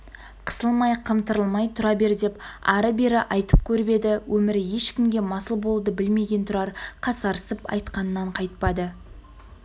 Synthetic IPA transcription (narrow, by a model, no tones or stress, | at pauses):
qʰə̥səlˠmɑjqʰəmt̪əɾəlˠmɑjt̪ʰʊɾɑbe̞ɾd̪e̞pɑɾəbe̞ɾɪʔɑjt̪əp̚kʲʰɵɾbe̞d̪ɪwʔɵmɪɾje̞ʃkʲɪmɡʲe̞mɑsəlˠbo̞lˠd̪əbɪlme̞ɡʲe̞nt̪ʰʊɾɑɾqʰɑsɑɾəsəpɑ̰jt̪qɑnənːɑɴqʰɑjt̪̚pɑd̪ə